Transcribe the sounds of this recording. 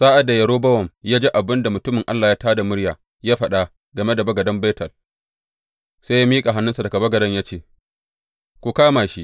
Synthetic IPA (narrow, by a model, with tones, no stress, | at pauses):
saː˦ʔa˨da˨jɐ˨ɽoː˦bɐ˦wɔ˨mjaː˦d͡ʒe˦ʔa˨bɪ˦nda˨mʊ˨tʊ˦mɪ˨ŋʔa˦lːaː˨jaː˦taː˦da˨mʊ˦ɽjaː˨ | jaː˦ɸɐ˦ɗa˦˨ | ɡɐ˨me˦da˨bɐ˦ɡɐ˨dɐ˦mbe˦tʰɐ˨l | seː˦ja˦miː˦kʼa˨ɦa˦nːʊ˦nsa˨dɐ˨ɡa˨bɐ˦ɡɐ˨dɐ˦ɲjaː˦t͡ʃeː˦˨ | kʷu˨kaː˦maː˨ʃi˦ʔ